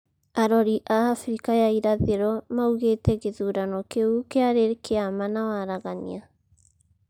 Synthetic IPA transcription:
aɾɔɾiʔaːfɾikajaiɾaðeɾɔmauɣetɛɣeðuɾanɔkeukeaɾeɾkeamanawaɾaɣaɲḭa

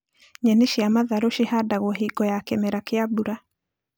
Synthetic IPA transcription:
ɲɛneʃiamaðaɾoʃihadaɣwɔɦiɡɔjakɛmɛɾakeabuɾa

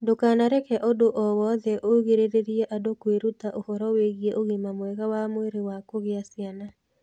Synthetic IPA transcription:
dokanaɾɛkɛʔodoʔɔwɔðɛʔoɣeɾeɾeɾjeʔadokweɾutaʔohɔɾɔweɣieʔoɣimamwɛɣawamweɾewakoɣɪasɪana

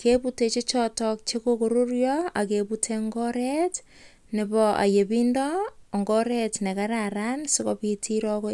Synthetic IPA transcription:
kʰeputet͡ʃet͡ʃɔtɔk̚t͡ʃekokoɾurjɔakeputʰeŋɡɔɾet | nɪbɔʔa̰jebindɔːŋɡɔɾetnɛkaɾaɾansɪkɔpitʰiɾɔko

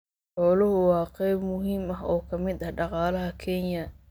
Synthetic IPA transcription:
ħɔːlʊɦʊwɑːqɛjbmʊɦiːmɐɦɔːkʰɐmɪd̪ɐhɖɑqɑːlɐɦɐkʰɛnjɐ

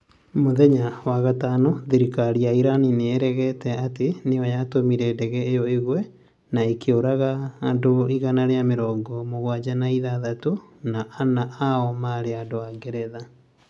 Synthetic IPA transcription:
moðɛɲawaɣatanɔðiɾikaɾiaiɾanineeɾɛɣɛtɛateneɔjatomiɾɛdɛɣɛejɔeɣwɛ | naekeoɾaɣaːndoiɣanaɾeameɾɔːŋɡɔmoɣwad͡ʑanaiðaðatonaʔːnaʔaɔmaːɾeandoaŋɡɛɾɛða

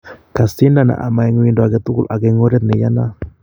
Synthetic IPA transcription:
kasinana̰ʔa̰maɛŋwindoaɡɛt̪ukulaɡɛŋoɾɛt̪̚nejana

